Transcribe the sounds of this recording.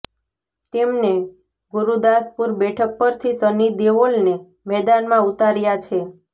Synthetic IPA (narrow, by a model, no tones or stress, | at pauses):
t̪emne | ɡuɾud̪aspuɾbɛʈʰək̚pəɾt̪ʰisənid̪eʋolne | mɛd̪anmãut̪aɾjat͡ʃʰe